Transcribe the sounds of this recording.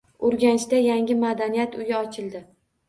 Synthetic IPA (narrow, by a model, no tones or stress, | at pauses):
oɾɡʲanɪʃt̪ajaŋɡʲɪmad̪anijat̪ʰʊjɪɒt͡ʃʰɪlˠd̪ɪ